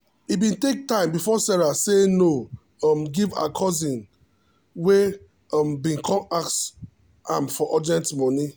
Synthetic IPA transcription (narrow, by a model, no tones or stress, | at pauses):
ibĩntek̚tãɪ̃mbifɔsɛɹaseno | ɔmɡiva̰kʰɔzĩn | we | ɔmbĩnkʰɔ̃maks | ãmfɔʔɔdiɛ̃ntmɔ̃ni